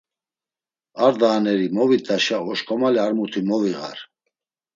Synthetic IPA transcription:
aɾd̪aːnɛɾimɔvid̪aʃaɔʃkʰʼɔmaliaɾmut̪ʰimɔviʁa̰ɾ

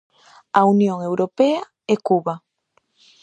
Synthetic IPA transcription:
aunjoŋewɾopea | ekuβa

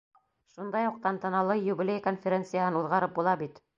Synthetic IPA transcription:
ʃund̪ɑjuq̚t̪ɑnt̪ɤ̆nɑlˠɤjubilʲejkonfʲeɾʲent̪sɨjaɦɤnuðʁɑɾɤp̚bulˠɑbit̪

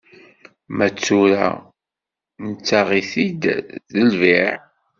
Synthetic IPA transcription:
mæt͡sːʊɾæ̰ | nət͡sːaʁiθid̪ðəlviʕ

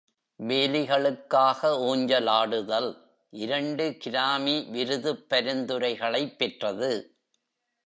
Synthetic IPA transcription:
ʋeːlɪɣɐɭɯkːaːɣɐoːɲd͡ʒɐlaːɽɯðɐl | ʔɪɾɐɳɖɯkɪɾaːmiʋɪɾɯðɯpːɐɾɯnd̪ɯɾɐɪɣɐɭɐɪpːɛʈrɐðɯ

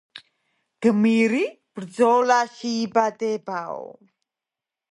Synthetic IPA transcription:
ɡ̥əmiɾi | b̥ərd͡zolaʃiːbad̪ɛbao̰

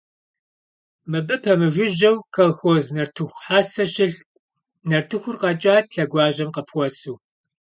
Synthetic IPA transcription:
mɨbɨpʰɐmɨʒʷɪʒɐwkʰɐlxʷoznɐrtʰɨxʷħaːsɐʃɪɬ | nɐrtʰɨxʷʊrqɐt͡ʃʼaːtɬɐɡʷɑːʑɐmqɐpʰwʷɔsuː

